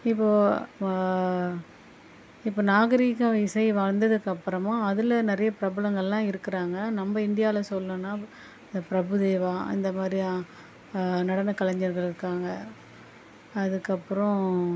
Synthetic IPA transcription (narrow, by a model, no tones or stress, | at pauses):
ɪpːoː | ɪpːoːnaːɣɐɾiːkɐ̃ɪsɐɪʋaːɻnd̪ɐðɯkːɐpːɯɾɐmaːɐðɯlɐnɛɾɐjɐpɪɾɐbɐlɐŋɡɐɭɛlãːɪɾɯkːɪɾaːŋɡɐnɐmbɐɪnd̪ɪjaːlɐsɔlːɐ̃nːaː | ɪnd̪ɐpɪɾɐbɯðeːʋaːɪ̰nd̪ɐmaːd̪ɾia | nɐɽɐnɐkɐlɐɲd͡ʒɐɾɣɐɭɪɾɯkːaːŋɡɐ | ðɯkːɐpːɯɾɔ̃